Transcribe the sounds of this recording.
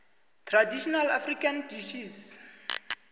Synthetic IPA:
tʰradiʃɔnalafrikandiʃis

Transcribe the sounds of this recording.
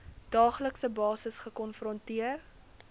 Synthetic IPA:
d̥ɑːχləksəbɑːsəsχəkɔnfrɔntiər

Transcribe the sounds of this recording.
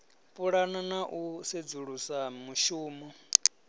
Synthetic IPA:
pʼuɺananaʔused͡zuɺusamuʃuːmɔ

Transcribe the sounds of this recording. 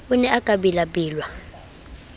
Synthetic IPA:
unɛʔakʼaɓilaɓiːlwa

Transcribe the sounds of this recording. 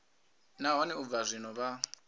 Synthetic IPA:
naɦɔnɛub̪vazʷinɔβa

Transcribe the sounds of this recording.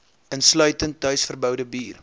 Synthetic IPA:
ənslœɥtənt̚ːœɥsfərbœwdəbiːr

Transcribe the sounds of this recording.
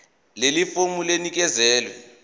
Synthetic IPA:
lelifumulenik̬ɛzɛːlwɛ

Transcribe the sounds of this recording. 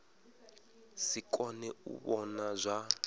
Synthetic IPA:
sikʼɔnɛṵɓɔnazʷa

